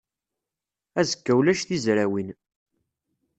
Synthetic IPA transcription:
æzəkːæwlæʃθizɾæwin

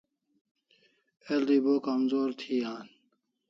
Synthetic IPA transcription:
eld̪iːboːkɐmzoːɾt̪ʰiːaːn

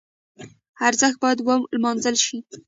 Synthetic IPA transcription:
aɾzəxt̪̚bɑjad̪wamlmɑnzəlʃi

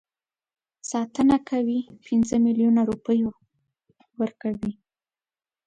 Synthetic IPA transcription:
sɑt̪ənakʰawipɪnzəmiljunaɾupəjo | wəɾkawi

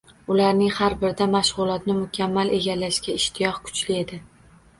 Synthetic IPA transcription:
ʊlaɾnɪŋhaɾbɪɾd̪amaʃʁʊlˠɒt̪nɪmʊkʲʰamːalʔe̞ɡʲalaʃkʲaɪʃt̪ʰɪjɒχkʰʊ̥t͡ʃlɪe̞d̪ɪ

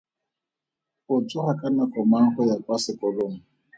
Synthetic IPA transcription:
ʊt͡sʊhakʼanakɔmaŋ̩χɔjakʼwasɪkʼɔloŋ̩

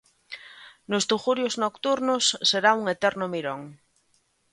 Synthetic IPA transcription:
nost̪uχuɾjoznokt̪uɾnosːeɾauŋet̪ɛɾnomiɾõŋ

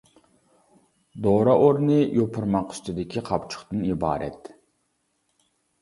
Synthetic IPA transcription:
d̪oɾɑʔoɾnɨjʔopʰʊɾmɑqʰy̥st̪ɪd̪ɪkʲʰiqʰɑpt͡ʃʰʊ̥χt̪ɨnibɑ̰ːɾɛ̰t̪

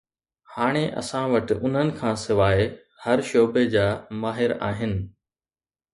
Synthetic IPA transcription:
haːɽ̃eʔɐ̰sãʋɐʈɪ̆ʔʊn̤ənɪ̆kʰãːsɪʋaːe | hɐɾʃoːbed͡ʑaːmaːɦɪɾa̰ːɦɪnɪ̆

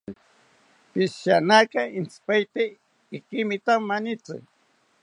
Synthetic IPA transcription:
pɪsʃanakaɪnt͡spajt̪e | ɪkɪmɪt̪amːanɪt͡sɪ̰

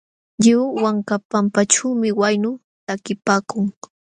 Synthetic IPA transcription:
ʎɪwːaŋkapampaʈ͡ʂawmɪwajnʊ | t̪akɪpaːkʊŋ

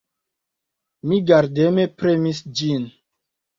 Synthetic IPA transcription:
miɡaɾdemepɾemisd͡ʒin

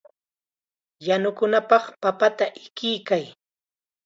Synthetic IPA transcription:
janʊkʊnapɑχpapat̪aʔɪkɪjkaj

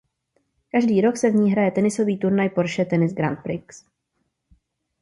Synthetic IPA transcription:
kaʒdiːɾo̞ksɛvɲiːɦɾajɛt̪ɛnɪso̞viːt̪uɾnajpo̞ɾʃɛt̪ɛnɪsɡɾa̰nt̪̚pɾɪks

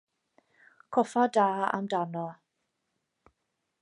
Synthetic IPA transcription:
kʰɔfadaːa̰mdanɔ

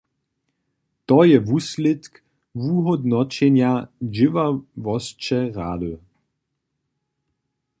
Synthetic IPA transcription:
t̪ɔjɛvuslɪt̪k | vuɦɔd̪nɔt͡ɕɛnjad͡ʒɪvavɔst͡ʃɛʁaːd̪ə

